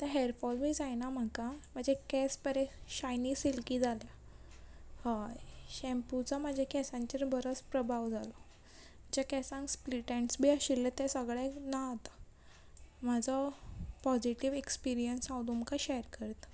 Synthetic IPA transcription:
t̪əɾɦeɾfɔlbiːd͡zajnam̤əkam̤əɳd͡zekɛspəɾeɕajniːsilkid͡zʱalja | hajɕɛmput͡sɔmad͡ʑʱekɛsãɲt͡ɕeɾbʱəɾəspɾəbʱaʋd͡zʱalɔ | əd͡ʑakɛsãŋkspliʈeɳʈsbʱiːaɕilːət̪esəɡɭanaɦot̪ḁ | mad͡zʱɔpɔd͡ziʈiʋekspiɾijənsãwd̪umkaɕɛjəɾkəɾt̪

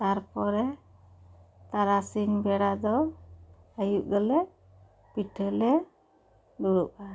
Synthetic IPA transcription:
t̪aɾpɔɾɛ | t̪aɾasinbɛɽad̪ɔ | ajuʔ̚ɡəlɛ | piʈʰəlɛ | ɡuɽuʔa

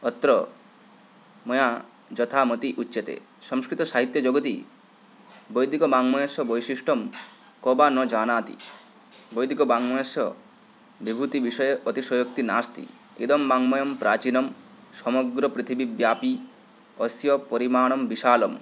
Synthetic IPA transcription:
ɔt̪ːɾɔ | mɔja | d͡ʒɔt̪ʰamɔt̪iʔutːʃet̪ḛ | sɔŋskɾit̪ɔsaɦit̪jɔd͡ʒoɡɔt̪i | bɔjd̪ikɔbaŋmɔjɔsɔbɔjsiʃʈɔm | kɔbanɔd͡ʒanaːt̪ḭ | bɔjd̪ikɔbaŋmɔjɔsɔ̰ | bibʱut̪ibiʃɔjeʔɔt̪isɔjɔk̚t̪ina̰st̪ḭ | ed̪ɔmbaŋmɔjɔmpɾat͡ʃinɔm | sɔmɔɡɾɔpɾit̪ʰibibjaːpi | ɔsjɔpɔɾimaːɽ̃ɔmbiʃaːlɔm

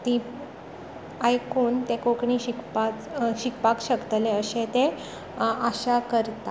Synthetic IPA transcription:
t̪i | ajkoːnt̪ekokɳiɕikpat͡sɕikpakɕəkt̪leəɕẽt̪e | aɕakəɾt̪a

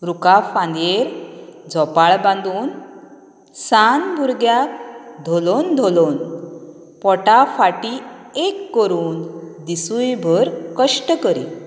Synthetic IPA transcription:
ɾukafãnd̪eɾd͡zʱɔpaɭbãnd̪uːn | sanbuɾɡjakd̪ʱolond̪ʱolon | pɔʈafaʈiekːəɾuːnd̪isujbʱəɾkəʂʈəkəɾḭ

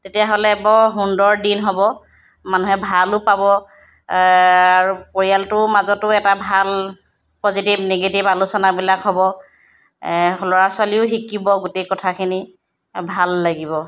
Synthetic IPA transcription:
tetijaɦolɛbɔɦundɔɹdinɦɔbɔ | manuɦɛbʱalʊpabɔ | aɹupoɹialtʊmazɔtʊɛtabʱal | pozitibneɡetibalusɔnabilakɦɔbɔ | ɦɔlɔɹaswaliʊɦikːibɔɡutekɔtʰakʰini | bʱalːaɡibɔ

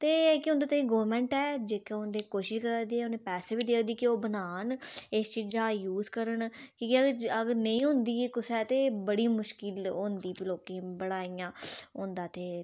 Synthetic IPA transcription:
t̪eːkɪʊ̃nd̪aːt̪aːĩːɡoːəɾmɛ̃ːɳʈɛːd͡ʒeːkeʊ̃nd̪eːkoːʃɪʃkəɾad̪iːɛːʊnẽːpɛːseːbiːd̪eːkʰd̪iːkioːbənaːnɪst͡ʃiːd͡ʒaːjuːzkəɾəɳkĩːkiəɡɾəɡɾnəĩːɦõnd̪iːekʊsɛːt̪eːbəɽiːmʊʃkɪlõːnd̪iːpiloːkẽːbəɽaːijãːõːnd̪aːt̪eː

